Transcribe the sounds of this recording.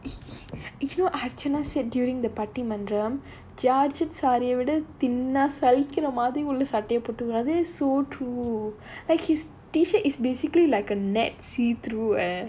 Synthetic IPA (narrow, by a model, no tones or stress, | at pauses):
jɪnoːʔɐɾt͡ʃɐnaːsɛɖ̚ɖjuːɾɪ̃ŋd̪ɐpɐʈːimɐ̃ndɾɐm | d͡ʒaːɾd͡ʒɛʈsaːɾɪjɐʋɪɽɐt̪ɪnːaːsɐlɪkːɪɾɐmaːðɾĩʊlːɐsɐʈːɐjɐpːoːʈːɯkːɾaðesoːʈɾuː | laɪkhɪs | ʈiːʃɐɾʔɪsbeːsɪkɐlilɐɪkɐnɛʈsiːt̪ɾuː